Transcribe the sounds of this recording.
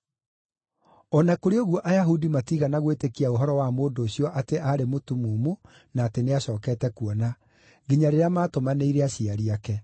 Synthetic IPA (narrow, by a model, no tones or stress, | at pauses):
ɔnakoɾeoɣuɔʔajaɦudimatiːɣanaɣwetekiaoɦɔɾɔwamoːndoːɕjɔʔateʔaɾemotumuːmo | naːteneaɕɔːkɛːtɛkuɔna | ɡiɲaɾeɾeamaːtomaneiɾeaɕiaɾiakɛ